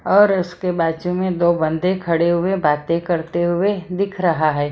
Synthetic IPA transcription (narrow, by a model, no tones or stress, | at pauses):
ɔːɾʊskebaːd͡ʒumẽd̪oːbɐ̃nd̪ẽkʰɐɽeɦʊebaːt̪ẽkɐɾt̪eɦʊed̪ɪkʰɾɐɦaɦɛː